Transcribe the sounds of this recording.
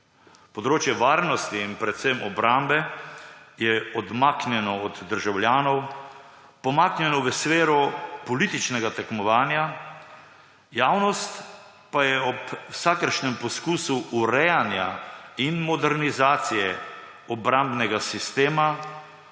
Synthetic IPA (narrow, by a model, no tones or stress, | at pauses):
pɔd̪ɾoːt͡ʃjɛʋaːɾnɔst̪iːnpɾɛt̪semʔɔbɾambɛ | jɛɔd̪maːknjɛnɔɔd̪ːəɾʒawlʲjaːnɔw | pɔmaknʲjɛnɔʋəsʋeːɾɔpɔlit̪it͡ʃnɛɡat̪ɛkmɔʋaːnja | jaːwnɔst̪ | pajɛɔpwsakəɾʃnɛmpɔskuːsuʔuɾɛjanjainmɔd̪ɛɾnizaːt̪sijɛ | ɔbɾambnɛɡasist̪eːma